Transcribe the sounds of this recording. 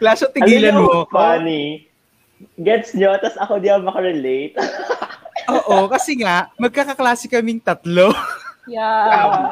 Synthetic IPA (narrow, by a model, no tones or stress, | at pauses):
klaːsot̪ɪɡːlɐnmoani | ɡɛt̪̚sɲot̪ɐsɐkod̪iʔɐwmɐkɐɾɛlejt̪̚ | ʔoːʔokɐsɛŋaʔmɐɡ̚kɐkɐklaːsɪkɐmɪŋt̪ɐt̪loja